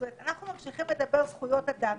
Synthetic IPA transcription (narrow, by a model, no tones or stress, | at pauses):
metanaχnumamʃiχimled̪abe̞ʁzχujo̞tadam